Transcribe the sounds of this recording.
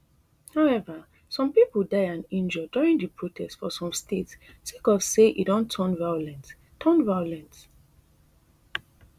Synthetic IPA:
haʊɛva | sɔ̃mpipəldaɪãnĩnd͡ʒɔduɹĩŋdipʰɹotʰɛstfɔsɔ̃mstʰets | sekɔvseʔḭdɔ̃ntʰːɔ̃nvajlɛ̃nt | tʰɔnvajɔlɛ̃nt

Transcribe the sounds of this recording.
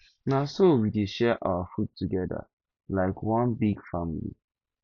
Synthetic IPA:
nasowideʃɛʔa̰ʊafut̚tʰːuɡɛda̰ | laɪkwɔ̃nbiɡfamilḭ

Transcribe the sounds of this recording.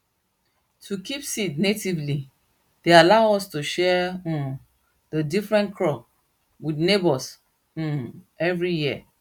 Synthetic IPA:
tʰukʰipsitnetivli | dealaʊɔstuʃɛ̃ | dədifɹɛ̃nkʰɹɔp̚ | widnebɔs̩ | ɛvɹijiə̰

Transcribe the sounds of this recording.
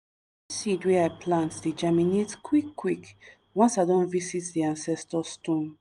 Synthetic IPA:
sidweaɪpʰlãntdid͡ʒaminetkʰwikːwik | wɔ̃nsadɔ̃nvisitdiãnsɛstɔstɔ̃n

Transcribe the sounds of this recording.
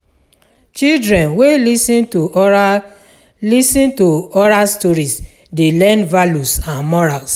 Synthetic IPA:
t͡ʃildɹɛ̃nwelisĩntu | lisĩntoɔɹalstɔɹis | delɛ̃ndvalusãnmɔɹals

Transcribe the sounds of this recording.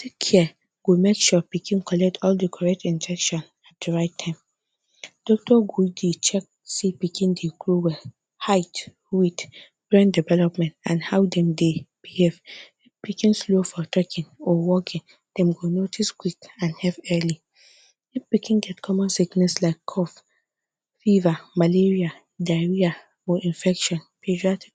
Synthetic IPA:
tʰekʰːɛ | ɡ̥omekʃupikʰĩnkʰɔlɛk̚tʰɔldəkʰɔɹɛk̚tĩnd͡ʒɛkʃɔ̃n | at̚d̥əɹaɪtʰːãɪ̃m | d̥ɔk̚tʰɔɡudet͡ʃɛk̚ | sipikʰĩndekluwɛ | haɪt | wid | ɡɹɛ̃ndivɛlɔpmɛ̃ntãnhaʊdɛ̃mdeb̥ihev | pikĩnslofɔtɛkʰĩnɔwɔkʰĩn | d̥ɛ̃mɡonotʰiskwikãnhɛvɛli | ifpikĩnɡɛtkʰɔmɔ̃nsiknɛslaɪkʰːɔf | fivamaleɹia | daɪɹia | ɔʔĩnfɛkʃɔ̃npʰed͡ʒiat

